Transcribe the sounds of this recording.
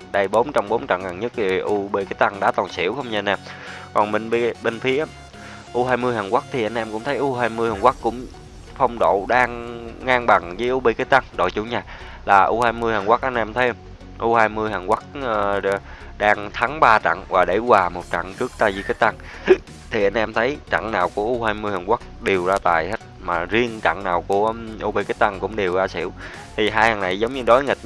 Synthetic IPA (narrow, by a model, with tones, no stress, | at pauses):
ɗə˧jɓo˨˦nt͡ɕa˧wŋ͡mɓo˨˦nt͡ɕa̰˧˨ŋa˨˩nɲə˦˥k̚ti˨˩ʔu˧ɓe˧kaː˨˦jt̪a˧ŋɗa̰ː˧˥t̪ɔ˨˩nsḭ˧˩əwxə˧wŋ͡mɲɨ˧a˧nʔɛ˧mkɔ˨˩nmə˧˩ŋɓi˧ɓe˧nfi˨˦ə˧˦ | ʔu˧ɦaː˧jmɨ˧jhaː˨˩nkwaː˦˥k̚t̪ʰi˨˩ʔa˧ŋnʔɛ˧mkʊ̰˧˥ŋ͡mt̪ʰə˨˦jʔu˧ɦaː˧jmɨ˧əjhaː˨˩nkwaː˦˥k̚kʊ̰˧˥ŋ͡m | fə˧wŋ͡mɗo̰˧˨ɗaː˧ŋːaː˧ŋɓa˨˩ŋzəː˨˦jʔu˧ɓe˧kaː˨˦jt̪a˧ŋɗo̰˧˨jt͡ɕʊ̰˧˩ɲaː˨˩ | laː˨˩ʔu˧haː˧jmɨ˧jhaː˨˩nkwaː˦˥k̚ʔa˧jn̟ʔɛ˧mt̪ʰə˨˦j | ʔu˧haː˧jmɨ˧əjhaː˨˩nkwa˦˥k̚ː | ɗaː˧ŋt̪ʰa˨˦ŋɓaː˧t͡ɕa̰˧˨ŋvaː˨˩ɗe˧˩waː˨˩mo˨˩t̚t͡ɕa̰˧˨ŋt͡ɕɨ˦˥ək̚t̪aː˧˩jzi˧˦kaː˦˥t̚t̪a˧ŋ | t̪ʰi˨˩ʔa˧jnʔɛ˧mt̪ʰə˨˦jt͡ɕa̰˧˨ŋnaː˨˩wku˧˩əʔu˧haː˧jmɨ˧əjhaː˨˩ŋwaː˦˥k̚ɗe˨˩əwzaː˧t̪aː˨˩jhe˦˥t̚maː˨˩zi˧ənt͡ɕa̰˧˨ŋnaː˨˩wku˧˩əʔu˧ɓə˧jka˦˥t̚t̪a˧ŋkʊ̰˧˥ŋ͡mɗe˨˩wzaː˧sḭ˧˩˥əw | t̪ʰi˨˩ɦaː˧jhaː˨˩na˨˩jzə˨˦wŋ͡mɲɨ˧ɗo˨˦jŋi˨˩k̚